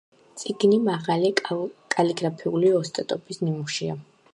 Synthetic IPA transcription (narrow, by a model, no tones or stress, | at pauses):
t̪sʼiɡnimaʁalikʼaliɡɾapʰiuliɔst̪ʼat̪ʼɔbisnimuʃia̰